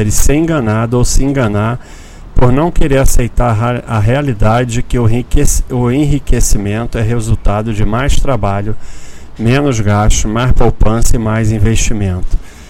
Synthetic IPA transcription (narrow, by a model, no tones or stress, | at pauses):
ɾɪsɪẽɡɐnad̪ʊowsɪẽɡɐnaɾ | poɾnɐ̃w̃keɾeɾasejt̪aɾɐɦealid̪ad͡ʒɪd͡ʒɪkɪʊksʊẽɦikesimẽnt̪ʊɛɦezuwt̪ad̪ʊd͡ʒɪmajst̪ɾabaʎʊ | mẽnʊzɡaʃt͡ʃʊmajspowpɐ̃sɐɪmajzĩveʃt͡ʃimẽnt̪ʊ̥